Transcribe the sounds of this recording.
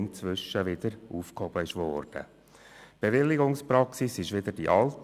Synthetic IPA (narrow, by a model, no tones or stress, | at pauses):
mt͡svʏʃəʋɪd̪̥əɾʔuːfkhɔb̥əɪʃʋɔːrd̥ə̰ | b̥evɪlːɪɡʊŋspɾɑksisɪʃʋɪd̪ədiʔɑlt